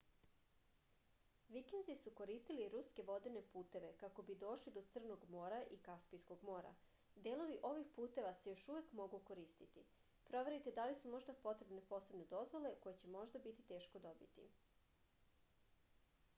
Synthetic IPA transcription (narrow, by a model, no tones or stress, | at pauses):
ʋikend̪zisuko̞ɾiːst̪iliɾuske̞ʋo̞d̪ine̞puːt̪e̞ʋe̞kako̞bid̪o̞ːʃlid̪o̞t̪sr̩no̞ɡmo̞ːɾaʔikaspijsko̞ɡmo̞ːɾa̰ | d̪eːlˠo̞ʋiʔo̞ʋixpuːt̪e̞ʋase̞jo̞ʃuʋe̞kmo̞ɡuko̞ɾiːst̪it̪i | pɾo̞ʋe̞ɾit̪e̞d̪alisumo̞ʒd̪apo̞t̪ɾe̞bne̞po̞ːsebne̞d̪o̞zʋo̞le̞ko̞jet͡ɕe̞mo̞ʒd̪abit̪it̪eːʃko̞d̪o̞bḭt̪ḭ